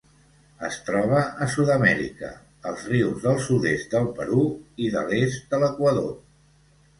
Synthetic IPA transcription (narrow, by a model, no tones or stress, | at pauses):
ə̰st̪ɾɔβ̞əʔəsuðəmɛɾḭkə̰ | əlˠzriwzðəlˠsuðest̪̚d̪əlˠpəɾuiðə̰lest̪̚d̪ələkwəðo